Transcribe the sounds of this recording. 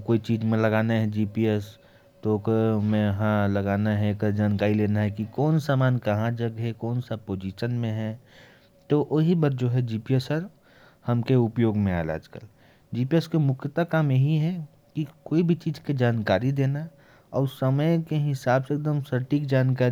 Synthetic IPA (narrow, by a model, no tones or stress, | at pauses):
koːit͡ʃiːd͡ʒmẽlɐɡaːnaɦɛd͡ʒiːpiɛs | t̪okmẽɦãlɐɡaːnaɦɛkd͡ʒaːnkaːɾileːnaɦɛkikɔːnsaːmaːnkɐɦãd͡ʒɐɡɦɛkɔːnsapoːd͡ʒiːʃənmẽɦɛ | t̪oʔoɦibəɾd͡ʒoːɦɛd͡ʒiːpiesəɾ | hɐmkeʊpjoːɡmẽa̰ːla̰ːd͡ʒkəl | d͡ʒiːpieskemʊkʰət̪akaːmjəɦiɦɛ | kikoːibʱit͡ʃiːd͡ʒked͡ʒaːnkaːɾid̪eːna | ɔːɾsəməjkeɦɪsaːbseek̚d̪əmsəɾʈikd͡ʒaːnkaːɾi